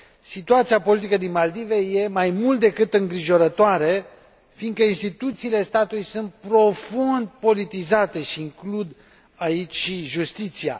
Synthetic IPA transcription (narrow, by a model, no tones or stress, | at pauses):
sit̪uat̪siapo̞lit̪̬ikəd̪inmald̪iveje̞majmult̪̚d̪e̞kɨt̪ɨŋɡɾiʒo̞ɾət̪oaɾe̞ | find̪kəinst̪it̪ut̪siːle̞st̪at̪ulujsunt̪̚pɾo̞fund̪̚po̞lit̪izat̪e̞ʃiːŋklud̪ | ait͡ʃʲʃiʒust̪it̪sia̰